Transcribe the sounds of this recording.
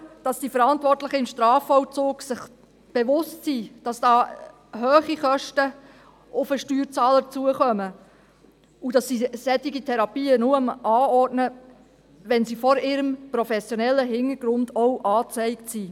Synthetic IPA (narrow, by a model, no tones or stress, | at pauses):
d̥ɑsd̥ifəɾɑntvɔrtlɪχəɪmʃtɾɑːfɔwt͡suːɡsɪχ | b̥eʋʊstsid̥ɑsd̥ɑː | ɦøːχiχœʃtə | ʊfəʃtyːɾt͡sɑːləɾt͡suəχœmə | ud̥ɑsisɛt̪ɪɡitʰɛɾɑpiːənuəmʔɑːɔrdnə | ʋɛnsifɔɾɪɾəmpɾɔfɛsjɔnɛlːəɦɪnəɾɡɾʊndɔwʔɑːt͡sɛɪktsiː